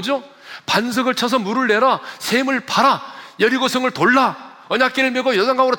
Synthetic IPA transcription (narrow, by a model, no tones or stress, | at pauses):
d͡ʑo | pans̬ʰɯɡɯɭt͡ɕʰʌs̬ʰʌmuɾɯɭːeɾasʰemɯɭpaɾajʌɾiɡosʰɯŋɯɭtoɭːa | ʌɲak͈eɾɯɭmeɡojʌzaŋɡaŋɯɾo